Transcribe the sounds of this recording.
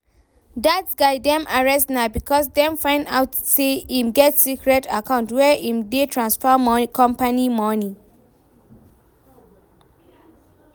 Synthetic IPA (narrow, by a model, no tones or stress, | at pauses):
datsɡaɪdɛ̃mʔaɹɛstnabikʰɔsdɛ̃mfãɪ̃nda̰ʊtseĩmɡɛtsikɹɛtakãʊ̃ntwɛʔĩmdetʰɹãnsfɔmkʰɔ̃mpanimɔni